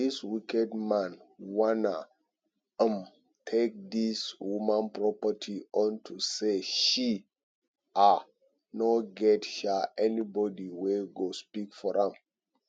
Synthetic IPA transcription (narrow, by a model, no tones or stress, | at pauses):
iswikɛdmãnwana | ə̃m | tʰek̚diswumãnpɹɔpətʰiɔ̃ntʰuseʃi | a | nɔɡɛtʃaʔɛnibɔdiweɡospikfɔɹãm